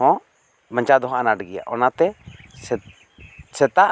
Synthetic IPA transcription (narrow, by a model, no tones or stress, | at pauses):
ɔ̃ | baɲt͡ʃad̪ɔɦʔanaʈɡɛja̰ʔɔnat̪ɛsɛ | sɛt̪aʔ